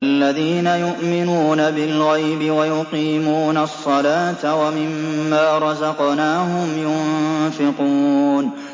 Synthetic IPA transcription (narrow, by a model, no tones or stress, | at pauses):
alːaðiːnajʊʔmɪnuːnabɪlɣajbɪwajʊqiːmuːnasˤːɑlaːt̪awamɪmːaːɾˤɑzɑqnaːɦʊmjʊnfɪqun